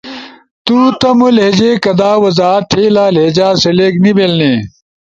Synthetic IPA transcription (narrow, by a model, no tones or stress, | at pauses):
t̪uːt̪ɐmuled͡ʑekɐd̪aːwɐzaːt̪ʰeːlaːled͡ʑaːsɐleknibelne